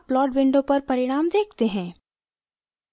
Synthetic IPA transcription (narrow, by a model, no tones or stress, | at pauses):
plɔːɖʋɪ̃ɳɖõpɐɾpɐɾɪɽ̃aːmd̪eːk̚ʰt̪eɦɛ̃ː